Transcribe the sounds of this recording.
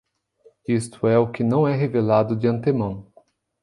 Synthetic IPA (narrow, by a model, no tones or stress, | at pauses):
ist̪ʊɛʊkɪnɐ̃w̃ɛɦevelad̪ʊd͡ʒɪɐ̃nt̪emɐ̃w̃